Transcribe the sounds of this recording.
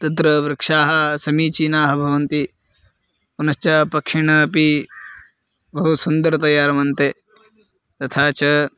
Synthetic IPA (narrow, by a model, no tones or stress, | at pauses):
t̪ɐt̪ɾɐʋɾɐkʂaːɦɐsɐmiːt͡ʃiːnaːɦɐbʱɐʋɐnt̪i | unɐst͡ʃɐpɐkʂiɳɐpi | bɐɦusund̪ɐɾɐt̪ɐjaːɾɐmɐnt̪e | t̪ɐt̪ʰaːt͡ʃɐ